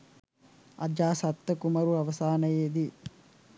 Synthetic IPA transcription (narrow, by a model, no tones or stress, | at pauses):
ɐ̰d͡ʒd͡ʒaːsɐt̪ːɐkumɐɾuɐʋɐsaːnɐjeːd̪i